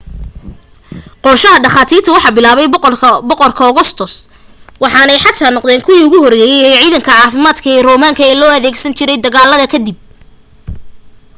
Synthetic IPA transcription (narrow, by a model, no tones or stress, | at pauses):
qɔrʃɐɦɐɖɑχaːt̪ʰiːrt̪ʰɐwɑħɑbɪlaːβɛjbɔqɔrkʰɐɔɣɔst̪ʰɔs | wɑħɑːnɛjħɑt̪ʰaːnɔqðɛːŋkʰʊwiʊɣʊhɔrɡɛːjɛjɛːʕiːðɐŋkʰɐʕɑːfɪmaːd̪kʰɐɛrɔːmaːŋkʰɐɛːlɔːɐðɛːɡsɐnt͡ʃʰɪɾɛjd̪ɐɣaːlɐðɐkʰɐd̪ɪb̚